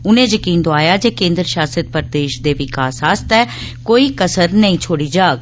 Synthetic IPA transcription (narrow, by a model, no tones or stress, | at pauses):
ʊnẽːd͡ʒəkiːnd̪oaːjaːd͡ʒeːkẽːnd̪ɾəʃaːsət̪̚pəɾd̪eːʃd̪eːʋɪkaːsaːst̪ɛː | koːiːkəsəɾnəĩːt͡ʃʰoːɽiːd͡ʒaːɡ̚